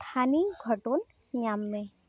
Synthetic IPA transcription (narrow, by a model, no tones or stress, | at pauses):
t̪ʰaniɡʱəʈon | jamːẽ